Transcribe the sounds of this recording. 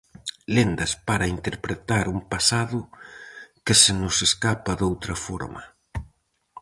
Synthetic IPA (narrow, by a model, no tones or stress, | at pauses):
lend̪ɐspaɾaint̪eɾpɾet̪aɾumpasaðʊ | kɪsɪnʊseskapɐðowt̪ɾɐfɔ̰ɾmɐ̰